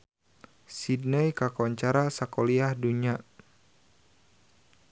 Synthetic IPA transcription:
sidnəjkakɔɲt͡ʃaɾasakɔliahduɲa

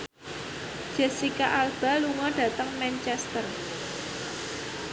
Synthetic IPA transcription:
d̥ʒ̥ɛ̤sikaʔalb̥a̤luŋɔɖ̥a̤t̪əŋmɛnt͡ʃɛst̪ər

